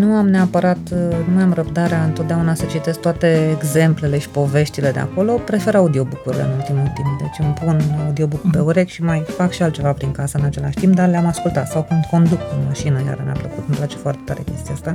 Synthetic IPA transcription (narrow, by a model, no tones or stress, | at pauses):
nuamneapəɾat̪numamrəbd̪aɾeaɨnt̪ot̪̚d̪aunasət͡ʃit̪e̞sk̚t̪oat̪e̞ːɡze̞mple̞le̞ʃi̥po̞ve̞ʃt̪ile̞d̪ea̰ko̞lo̞pɾe̞fe̞ɾaud̪io̞bukuɾilḛɨnult̪imult̪imp̚d̪e̞t͡ʃʲɨmpunaud̪io̞bukupeuɾe̞kʃimajfakʃialt̪̚t͡ʃe̞vapɾiŋkasəɨnat͡ʃe̞laʃt̪imp̚d̪arleamaskult̪at̪sawkund̪ko̞nd̪ukɨnmaʃinəja̰ɾəmʲea̰pləkut̪ɨmplat͡ʃe̞̥foart̪et̪aɾe̞̰kʲe̞st̪iast̪a